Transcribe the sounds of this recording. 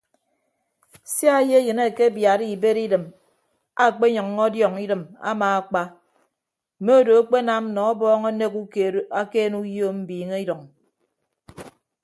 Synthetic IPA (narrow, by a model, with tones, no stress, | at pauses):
sja˦je˦jɨ˨ne˦˨ke˦bja˨ɾi˨be˦ɾi˦dɨ˨m | a˦˨k͡pe˦ɲɔ˨ŋː˦ɔ˦djɔ˨ŋi˦dɨ˨ma̰˦maː˨a˨k͡pa˦ | m̩˨me˦o˦˨do˨a˦k͡pe˦na˦m̩˦nɔ˨˦bɔː˦ŋo˦ne˦ku˦ke˨˦a˦keː˦nu˦jo˦m̩˦biː˨ŋe˦i˦dɔ˨ŋ